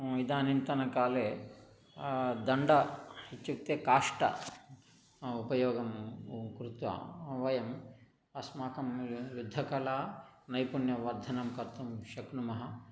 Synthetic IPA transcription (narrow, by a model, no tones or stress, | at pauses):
id̪aːnint̪ɐnɐkaːleː | d̪ɐɳɖɐit͡ʃːuk̚t̪eːkaːʂʈɐ̰ | upɐjɔːɡɐmkɾut̪ʋɐ̰ʋɐjɐm | ɐsmaːkɐmjud̪ʱːɐkɐlaːnɐjpunjɐʋɐɾd̪ʱɐnɐmkɐɾt̪ːɐmʃɐknumɐɦɐ